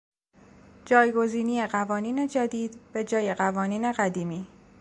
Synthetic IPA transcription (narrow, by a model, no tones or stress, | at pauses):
d͡ʒɒːjɡo̞ziːnije̞ɢævɒːniːne̞d͡ʒæd̪iːd̪b̥e̞d͡ʒɒːje̞ɣævɒːniːne̞ɣæd̪iːmiː